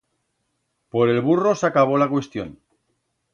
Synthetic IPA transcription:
po̞ɾe̞lβuro̞sakaβ̞o̞lakwe̞st̪jo̞̰n

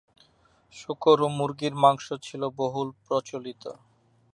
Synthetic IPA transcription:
ʃukoɾomuɾɡiɾmaŋʃot͡ɕʰiloboɦulpɾot͡ɕolit̪o̰

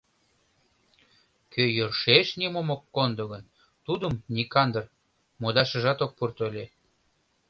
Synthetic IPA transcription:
kʰøjørʃeʃnimomokːond̪oɣən | t̪ud̪əmnikɑnd̪ər | mod̪ɑʃə̆ʒɑt̪ok̚purt̪ølʲe

